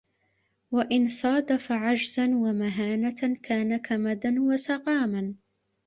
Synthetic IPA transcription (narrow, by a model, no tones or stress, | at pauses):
waʔɪnsˤɑːd̪afaʕad͡ʒzanwamaɦaːnakʰaːnakʰamad̪anwasɑqɑːman